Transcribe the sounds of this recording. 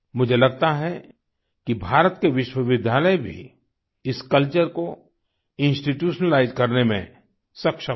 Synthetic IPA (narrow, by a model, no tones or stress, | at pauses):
mʊd͡ʒʱelɐɡ̚t̪aɦɛ | kibʱaːɾət̪keʋɪʃwəʋɪd̪ʱjaːləjbʱḭ | ɪskɐlt͡ʃəɾko | ɪ̃nsʈiʈjuːʃnəlaːɪzkɐɾnemḛ̃ | sɐkʃə